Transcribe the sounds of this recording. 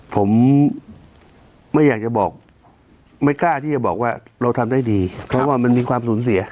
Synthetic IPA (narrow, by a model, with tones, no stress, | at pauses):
pʰo˩˦m | a˥˩jːaː˨˩k̚t͡ɕa˨˩bɔː˨˩k̚ | ma˥˩jklaː˥˩t̪ʰiː˥˩t͡ɕa˨˩bɔː˨˩k̚waː˥˩ | ɾa˧wt̪ʰa˧mda˥˩jdiː˧pʰɾɔ˦˥waː˥˩ma˧nmiː˧kʰwaː˧msuː˩˦nsi˨˩˦ɐ˦